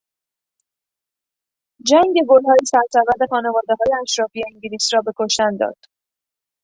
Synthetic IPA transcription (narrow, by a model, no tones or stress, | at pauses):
d͡ʒæŋɟe̞ɡolɦɒːjesæɾsæɾvæɾd̪exɒːnevɒːd̪eɦɒːjeæʃɾɒːfije̞iŋɟeliːsrɒːbe̞kʰoʃt̪ænd̪ɒ̰ːd̪̥